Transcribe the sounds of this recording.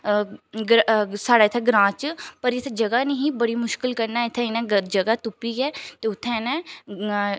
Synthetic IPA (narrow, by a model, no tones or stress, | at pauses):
ɡɾsaːɽaːɪt̪ʰɛːɡɾãːt͡ʃpəɾɪt̪ʰed͡ʒəɡaːniɦiːbəɽiːmʊʃkɪlkəɾnaːɪt̪ʰːẽɪnɛ̃ːəd͡ʒəɡaːt̪ʊpːiːɛːt̪eːʊt̪ʰːẽːnɛ̃ː